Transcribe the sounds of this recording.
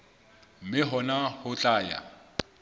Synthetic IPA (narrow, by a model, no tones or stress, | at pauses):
m̩mɪɦɔnahʊt͡ɬʼaːja̰